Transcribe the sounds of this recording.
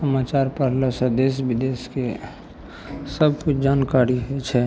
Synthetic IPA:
səmaːt͡ʃaːɾpəɾlasəd̪esbɪd̪eske | səb̚kut͡ʃʰd͡ʒaːnkaɾiɦet͡ʃʰɛ

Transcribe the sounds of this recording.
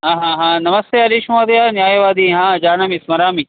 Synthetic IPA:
ɦãːɦãːɦãːnɐməst̪eɐɾiʃũːɐd̪eanjaːiʋaːd̪iɦãːd͡ʒaːnɐmĩsmɐɾaːmĩ

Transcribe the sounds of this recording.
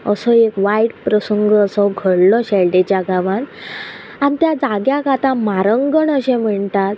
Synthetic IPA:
əsɔekʋajʈpɾəsəŋɡəsɔɡʱəɽlɔɕɛlɖet͡ɕjaɡaʋan | anit̪jad͡zaɡjaɡat̪ãmaɾəŋɡəɳəɕẽm̤əɳt̪at̪

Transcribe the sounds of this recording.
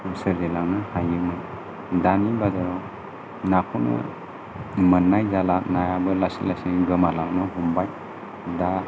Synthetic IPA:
usəɾzelaŋnɯhajɯmɯn | danibadaɾɔ | nakʰɔnɯ̰ | mənːajzalanajabɯlasilasiŋɡɯmalaŋnɯɦumbaj | da

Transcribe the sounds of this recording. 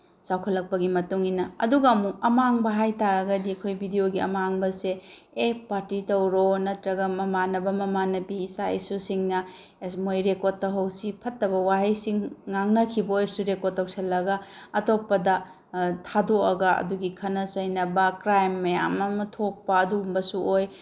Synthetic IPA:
sawkʰɐlːɐk̚pɐɡimɐtuŋinɐɐ̰duɡɐːmuk̚ɐmaŋbɐɦajtaɾɐɡɐdiɐkʰojbʱidijoɡiɐ̰maŋbɐse | epaɾtitɐwɾonɐtɾɐɡɐmɐmanɐbɐmɐmanɐbisaj̰susiŋnɐ | mojɾekoɾ̚tɐwɦɐwsipʰɐtːɐβɐwaɦɐjsiŋːaŋnɐkʰibɐojɾsuɾekottːɐwsʰɐlːɐɡɐɐtok̚pɐdɐ | tʰadoɐɡɐɐ̰duɡikʰɐnɐsɐjnɐbɐkɾajmːɐja̰mɐmɐtʰok̚pɐːduɡumbɐsuoj

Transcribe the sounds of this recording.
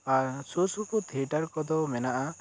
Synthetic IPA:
aɾsosuput̪ʰiʈaɾkɔd̪ɔmɛnaʔa

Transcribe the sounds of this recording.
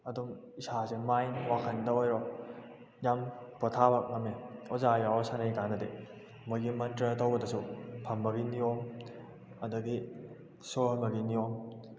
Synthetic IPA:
ɐdum | isasemajnwakʰɐndɐojɾɔ | jampɔtʰabak̚ŋɐmːeɔzajaɔsanɐjkanɐde | mujɡimɐntɾətowbɐdɐsupʰɐmbɐɡinijom | ɐduɡi | somɐɡiniom

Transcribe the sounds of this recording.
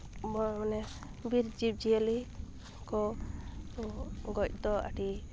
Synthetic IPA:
bɔmanɛ | biɾd͡ʒip̚d͡ʒiəli | kɔ | ɡɔc̚d̪ɔa̰ʈi

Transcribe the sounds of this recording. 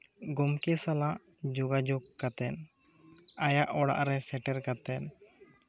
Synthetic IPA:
ɡumkisalaʔ | d͡ʒuɡad͡ʒuɡkːat̪ɛn | ajaʔɔɽa̰ʔɾɛsɛʈɛɾkat̪ɛn

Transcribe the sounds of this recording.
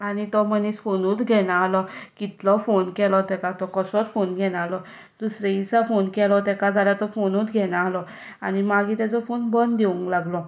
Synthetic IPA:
anit̪ɔmənisfonuːt̪ɡʱɛnaːlɔkit̪lɔfonkɛlɔt̪ɛkat̪ɔkɔsɔɾfonɡʱɛnalɔ | d̪usɾeisafonkɛlɔt̪ɛkad͡zʱaljat̪ɔfonuːt̪ɡʱɛnaaɦlɔ | añimaɡʱit̪at͡sɔfonbənd̪eũŋklaɡlɔ

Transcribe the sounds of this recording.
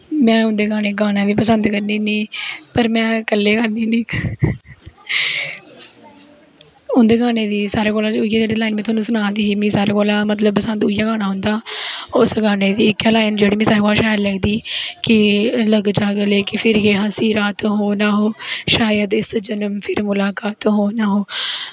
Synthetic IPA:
mɛ̃ːʊnd̪eːɡaːneːɡaːnaːʋiːpəsənd̪kəɾniːnĩːpəɾmɛ̃ːkəlːeːɡaniːnĩː | ʊnd̪eːɡaːneːd̪iːsaːɾeːkoːlãːʊijaːd͡ʒeːɽiːlaːɪnmɛ̃t̪ʰʊaːnũːsʊnaːd̪iːiːmĩːsaːɾeːkoːlaːmət̪ləb̚pəsə̃nd̪ʊijaːɡaːnaːɦʊ̃nd̪aːʊsɡaːneːd̪iːɪkɛlaːɪnd͡ʒeːɽiːmɛ̃ːsaːɾeːkoːlʃaːllɛːɡd̪iːkɪləɡd͡ʒaːɡəleːkɪpʰɪɾɡeːɦãsiːɾaːt̪ɦoːnaːɦoːʃaːjəd̪ɪsd͡ʒənəmpʰɪɾmʊlaːkaːt̪ɦoːnaːɦoː

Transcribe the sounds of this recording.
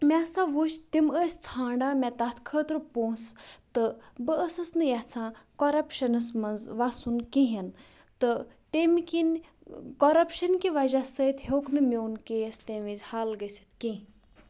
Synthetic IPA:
mʲasaʋuʃt̪iməːsʲt͡sʰãːɳɖaːmʲɛ̃t̪at̪ʰkʰəːt̪ɾpõːst̪ɨbəəsɐsnɨjat͡sʰãːkoɾɐpʃɐnɐsmɐnzʋasunkiɦɐn | t̪ɨ | t̪emkin | koɾɐpʃɐnkiʋɐʒasəjt̪hoknɨmʲoːnkejəst̪eʋizʲhaːlɡəsʲi̥t̪kĩ

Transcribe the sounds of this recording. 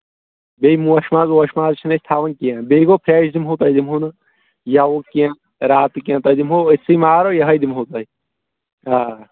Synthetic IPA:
beːjmũːɐʃmaːzoɐʃmaːzt͡ʃʰinɐsʲt̪ʰaːʋɐnkijãːbeːɡoːpʰɾeːʃd̪imɦoːt̪ɐːjd̪imɦunɨ | jaʋokijãː | ɾaːt̪kijãːt̪ɐjd̪imɦoːisimaːɾoːjɐɦɐjd̪imɦoːt̪ɐːi | aː

